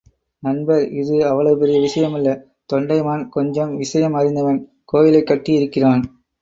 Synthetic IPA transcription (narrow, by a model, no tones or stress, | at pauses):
nɐnbɐɾɪðɯɐʋːɐɭɐʋɯpɛɾɪjɐʋɪʂɐjɐmɐlːɐ | t̪ɔɳɖɐɪmaːnkɔɲd͡ʒɐmʋɪʂɐjɐmɐɾɪnd̪ɐʋɐn | koːjɪlɐɪkːɐʈːijɪɾɯkːɪraːn